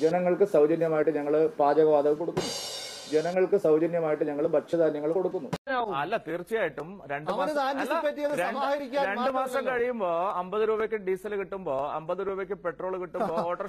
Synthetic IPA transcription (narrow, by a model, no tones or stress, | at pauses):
d͡ʑenɐŋːɐɭkɨsɐwd͡ʑɐnjɐmaːjiʈːɨɲɐŋːɐɭpaːd͡ʑɐɣɐʋaːd̪ɐʋko̞ɽukːunːud͡ʑenɐŋːɐɭkɨsɐwd͡ʑɐnjɐmaːjiʈːɨɲɐŋːɐɭubɐʂɐðaːnjɐŋːɐɭumko̞ɽukːunːuaːuɐlːɐt̪iːrt͡ɕːijaːjiʈːumɾe̞ɳɖɨmaɐːnt̪aːnɐilːiɐpːɐtːijɐðɨɾeɐɾikʲːaːɾe̞ɳɖɨmaːsɐmkɐɻijumboːɐmbɐðɨɾuːbɐkʲːɨɖiːsɐlkiʈːumbo̞ːɐmbɐðɨɾuːbɐkʲːɨpe̞ʈro̞ːɭkiʈːumbooːʈːɐr